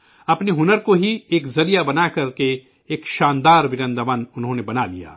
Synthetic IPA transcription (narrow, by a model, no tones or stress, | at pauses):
ɐpneɦʊnəɾkoɦieːkzɐɾijabɐnakɐɾke | eːkʃãːnd̪aːɾʋɪɾɐ̃nd̪əmɐnʊnɦõnebɐnalija̰ː